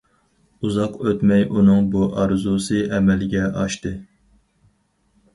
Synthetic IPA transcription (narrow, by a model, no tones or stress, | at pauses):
uzɑqøt̪mɛjunɨŋbuʔɑɾzusɨɛmɛlɡʲɛʔɑʃt̪ɨ